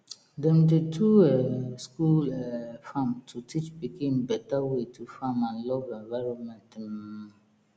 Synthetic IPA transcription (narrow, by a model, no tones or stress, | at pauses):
dɛmtetʰuɛskulɛfãmtʰutʰit͡ʃbikʰẽmbɛtawetʰufãmãnlɔvɛ̃ɱvaɾɔ̃nmɛ̃ntm